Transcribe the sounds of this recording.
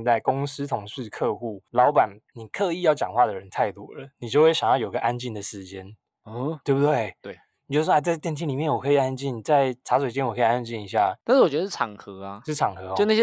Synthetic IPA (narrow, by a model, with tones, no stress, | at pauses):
t̪a˥˩ɪkʊ˦˥ŋs̩˦˥t̪ʰʊ˧˥ŋʂɻ̩˥˧kʰɤ˥˧xu˥˩lɑ˧˦˥ʊpa˨˩nni˨˩kʰɤ˥˧i˥˧˦jɑ˥˩ʊt͡ɕjɑ̰˨˩ŋxwa˥˩d̪ə˩ɻə˧˦nt̪ʰa˥˧ɪt̪ṵ˥˩lə̰˩ni˨˩t͡ɕjo˥˧ʊwe˥˩ɪɕɑ˨˩ŋjɑ˥˩ʊjo˨˩i˧ə˧ʔa˦˥nt͡ɕi˥˩nd̪ə˩ʂɻ̩˧˦t͡ɕjɛ˦n | t̪we˥˩ɪbu˨˩t̪we˥˩ɪt̪we˥˩˨ | t͡ɕo˥˧˥wa˧t͡sa˥˧ɪt̪jɛ˥˩nt̪̬ʰi˧˥nli˨˩mjɛ˥˩nwɔ˨˩kʰɤ˧˥i˨˩a˦˥nt͡ɕi˥˩nt͡sa˥˧˩ɪʈ͡ʂʰa˧˥swe˨˩t͡ɕjnwɔ˨˩kʰɤ˧˥i˨˩a˥nt͡ɕi˥˩ni˧˥ɕ̬ja̰˥˩˥nʂ̩˥˩wɔ˨˩t͡ɕɥə˧ʂ̩˥˩ʈ͡ʂʰɑ˨˩ŋxɤ˧˦a˧ʂɻ̩˥˩ʈ͡ʂʰɑ˨˩ŋxɤ˧˦o˥˧na˥˩˥